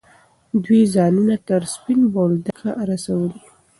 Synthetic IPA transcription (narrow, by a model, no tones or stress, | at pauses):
d̪wizɑnunat̪əɾspɪnbold̪axaɾasawəli